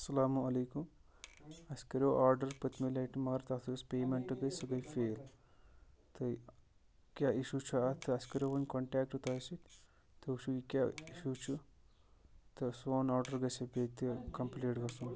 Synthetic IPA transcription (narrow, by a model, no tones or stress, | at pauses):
ɐsɐlaːmuɐlɐːkum | ɐskɐɾʲoːʔaːɾɖɐɾpɐt̪ʰmɐlɐjʈimɐːɾt̪at̪ʰuɐspeːmeɳʈɨɡɐjsɐɡɐjfeːl | t̪ɨ | kʲjaːiʃut͡ʃʰuat̪ʰɨɐskɐɾʲoːʋɐnkoɳʈaːkʈɨt̪ɐːsitʲ | t̪ɨuʃuikʲjaːiʃut͡ʃʰu | t̪ɨsoːnaːɾɖɐɾɡɐsɐbeːt̪ikɐmpleːʈɡɐsum